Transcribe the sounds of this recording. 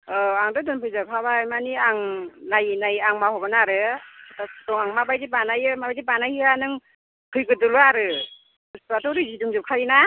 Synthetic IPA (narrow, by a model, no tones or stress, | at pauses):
ɔaŋdɯdɯnpʰɯjzɯkʰabajmaniaŋnajnajaŋmahɔbɯnaɾɯatʰatɔŋaŋmabajdibanajɯmabajzibanajianɯŋ | pʰɯjɡɯdɯluaɾɯ | satɔɾɯziduŋzɯp̚kʰaina